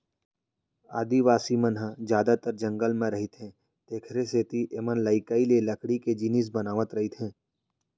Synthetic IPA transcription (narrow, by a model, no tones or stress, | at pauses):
aːd̪iʋaːsimənɦəd͡ʒjaːd̪at̪əɾd͡ʒɐ̃ŋɡəlmẽɾɐɦɪt̪ɦɛ̃ | t̪eːkʰɾeseːt̪iʔeːmənlaːɪkaːilelɐkɽiked͡ʒinis̬bɐnaːʋət̪ɾɐɦit̪ɦɛ̃ː